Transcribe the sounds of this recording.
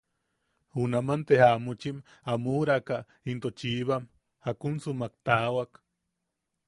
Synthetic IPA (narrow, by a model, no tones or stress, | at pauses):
hunamant̪ehamut͡ʃim | amuɾakaʔ | int̪ot͡ʃiːβam | hakunsumak̚t̪awak